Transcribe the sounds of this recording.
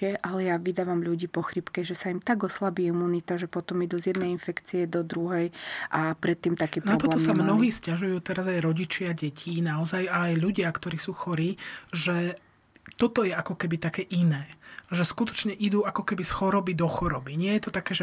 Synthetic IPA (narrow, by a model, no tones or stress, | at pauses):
ɛʔalɛjaʋid̪aːʋamʎuɟiːpɔxɾipkɛʒɛsaimt̪aɡɔslabiːimuːnit̪aʒɛpɔt̪ɔmid̪uzjɛd̪nɛjinfɛkt͡siɛd̪ɔd̪ɾuɦɛjʔapɾɛt̪ːiːmt̪akiːpnɾaɔb̪t̪ɔlɛtːɔmsamnɔɦiːscaʒujuːt̪ɛɾazajɾɔɟit͡ʃɪaɟɛcʰiːnaɔzajaːjʎuɟɪakt̪ɔɾiːsuːxɔɾiːʒɛ | t̪ɔt̪ɔjɛakɔkɛbit̪akɛːʔinɛːʒɛskut̪ɔ̥t͡ʃɲɛʔid̪uːakɔkɛbisxɔɾɔbid̪ɔxɔɾɔbiɲɪɛjɛt̪ɔt̪akɛːʒɛ